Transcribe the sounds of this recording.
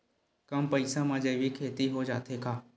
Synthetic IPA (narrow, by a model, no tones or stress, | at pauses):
kɐmpɐɪsãmãːd͡ʒɐʋikʰeːt̪iɦod͡ʒa̰ːt̪ʰekʰaː